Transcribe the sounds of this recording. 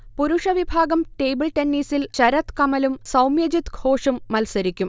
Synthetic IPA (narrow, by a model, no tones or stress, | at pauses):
puɾuʂɐʋibʱaːɡɐmʈe̞ːbɨlʈenːiːsilt͡ɕɐɾɐt̪kɐmɐlumsɐwmjɐd͡ʑit̪ɡʱoːʂumːɐlsɐɾikʲːum